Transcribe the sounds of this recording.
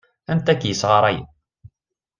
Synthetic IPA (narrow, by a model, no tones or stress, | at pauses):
ænt̪ækːjəsʁɑɾˤɑj